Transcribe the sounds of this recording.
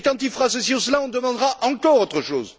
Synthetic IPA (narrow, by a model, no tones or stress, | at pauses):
kɑ̃t̪ilfəʁasəsiɔ̃səlaɔ̃d̪əmɑ̃d̪ʁaʔɑ̃kɔʁot̪χəʃoːz